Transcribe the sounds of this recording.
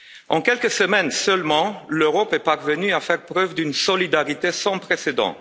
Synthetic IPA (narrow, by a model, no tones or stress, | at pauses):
ɑ̰̃kɛlkəsəmɛnsœlmɑ̃løʁɔpɛpaʁvənyafɛʁpχœvd̪ynsɔlid̪aʁit̪esɑ̃pχesed̪ɑ̰̃